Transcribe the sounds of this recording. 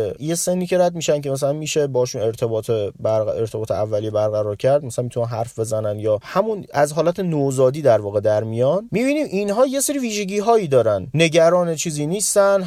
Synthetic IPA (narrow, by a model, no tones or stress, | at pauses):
jese̞nːiːcʰe̞ɾæd̪̚miːʃæncʰe̞mæs̬ælænmiːʃebɒhʃune̞ɾt̪ʰe̞bɒːt̪ʰebæɾeɾt̪ʰe̞bɒːt̪ʰeævːælijebæɾɣæɾɒːɾcʰæɾd̪̚mæsælænmit̪unænɦæɾfbe̞zænænd̪jɒːhæmunæzɦɒːlæt̪ʰe̞nozɒːd̪iːd̪æɾvɒːɣed̪æɾmijɒnmiːbiːniːmʔinɦɒːjeseɾiːviːʒe̞ɟiːɦɒːjiːd̪ɒːɾænne̞ɟæɾɒːnet͡ʃʰiːziːniːst̪æn